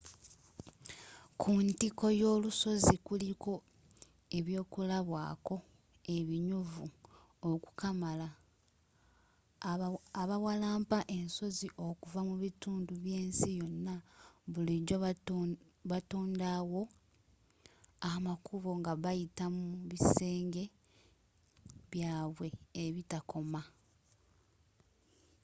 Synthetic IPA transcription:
kʰuntiko̞jo̞ːluso̞zikuliko̞ | e̞βjo̞ːkulaβwa̰ːko̞ | e̞βiɲuvu | oku̥kamala | aβawalaːmpaʔe̞nso̞ziʔo̞kuvamuβituːnduβjeːnsijo̞nːaβuliɾo | βatoːndawo̞ | amakʰuβo̞ŋɡaβajitamuuβise̞ːŋɡe̞ | βjaːβwe̞ːβitakʰo̞ma

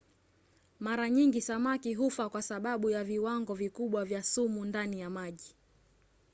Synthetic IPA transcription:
maɾaɲiŋɡisamakiɦufakwasaɓaɓujaviwaŋɡɔvikuɓwavjasumundanijamaʄi

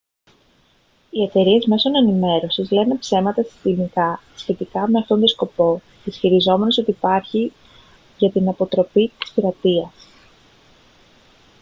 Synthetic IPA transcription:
ie̞t̪e̞ɾie̞zme̞so̞ne̞nime̞ɾo̞sizle̞ne̞pse̞mɐt̪ɐsi̥t̪imikɐsçe̞t̪ikɐme̞ɐft̪o̞nt̪osko̞po̞ | ðisçiɾizo̞me̞no̞so̞t̪iːpɐɾçi | ʝɐt̪inɐpo̞t̪ɾo̞pit̪i̥spiɾɐt̪iɐs

